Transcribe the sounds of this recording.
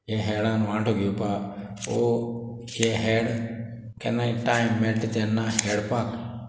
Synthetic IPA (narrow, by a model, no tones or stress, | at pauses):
jeːɦeːɽãːnũːãːʈʰoːɡɪjoːpaː | oː | jeːɦeːɽ | kḛnãːiʈaːɪmːeʈt̪enːãːɦeːɽpaːk